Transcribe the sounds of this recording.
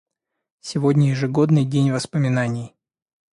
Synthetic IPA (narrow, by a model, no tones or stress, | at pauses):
sʲɪvodʲnʲəjɪʐɨɡo̞d̪nɨjdʲenʲvəspəmʲɪnanʲɪj